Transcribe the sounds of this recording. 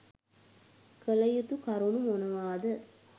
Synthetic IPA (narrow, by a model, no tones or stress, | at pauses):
kəlɐjut̪ukɐɾunumonɐʋaːd̪ə